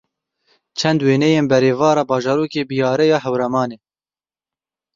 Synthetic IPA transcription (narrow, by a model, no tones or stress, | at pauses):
t͡ʃʰɛnd̪weːnɛjeːnbɛɾeːvɑːɾɑːbɑːʒɑːɾuːkeːbijɑːɾɛjɑːɦɛwɾɛmɑːneː